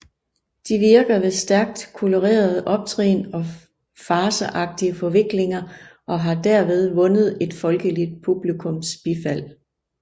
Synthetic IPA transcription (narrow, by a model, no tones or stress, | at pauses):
d̥iʋiɐɡ̥ɐʋe̝sd̥æɐɡ̥̚d̥kʰoloʁḛːɐð̞ˠʔɒ̽b̥̚t͡sʰʁḛːnɒ̽ | fɑ̈ːsəʔɑ̈ɡ̥̚d̥iəfɒ̽ʋe̝ɡ̥le̝ŋɐʔɒ̽ɦɑ̈d̥æɐ̰ʋe̝ð̞ˠʋɔ̽nəð̞̩ˠe̝d̥fɒ̽lɡ̥əlid̥̚pʰub̥likʰɔ̽msb̥ifæl̰